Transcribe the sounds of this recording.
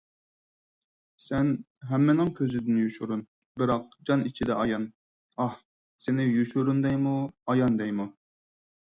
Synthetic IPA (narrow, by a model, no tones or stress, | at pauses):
sɛn | ɦɛmːɪnɪŋkʲʰøzɪd̪ɪnjuʃuɾun | bɪɾɑq̚d͡ʒɑnit͡ʃʰid̪ɛʔɑjɑn | ɑh | sɪnɪjuʃuɾund̪ɛjmuɑjɑnd̪ɛjmu